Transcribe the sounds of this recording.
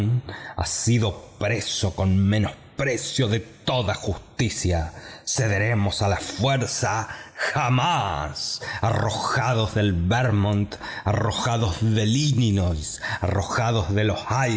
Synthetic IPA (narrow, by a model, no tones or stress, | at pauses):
na̰siðo̞pɾe̞so̞ko̞nmẽno̞s | pɾe̞sjo̞ðe̞t̪o̞ðaxust̪isjase̞ðe̞ɾe̞mo̞salafweɾsaxamasaro̞xaðo̞zðe̞lβeɾmõnt̪aro̞xaðozðe̞lininosaro̞xaðo̞zðe̞lo̞saj